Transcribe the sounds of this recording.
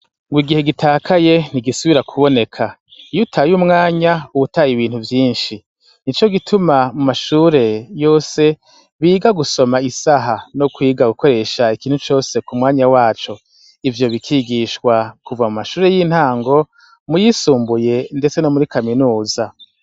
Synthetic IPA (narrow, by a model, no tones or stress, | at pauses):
ŋɡwiɡihe̞ɡitʰaːkʰaje̞niɡisuβiɾakʰuβo̞ne̞kʰa | ijutʰajumŋaːɲauβutajiβiːn̥huvjiːnʃi | nit͡ʃo̞ɡitʰumamumaʃuːɾe̞jo̞ːse̞ | βiːɡaɡuso̞maisaɦanokwiːɡaɡuko̞ɾe̞ʃaikiːn̥hut͡ʃo̞ːse̞kumŋaːɲawaːt͡ʃo̞ | ivjo̞βikʰiɡiʃkwakuvamumaʃuːɾe̞jiːn̥haːŋɡo̞ | mujisuːmbuje̞nde̞t͡se̞no̞muɾikʰaminuːza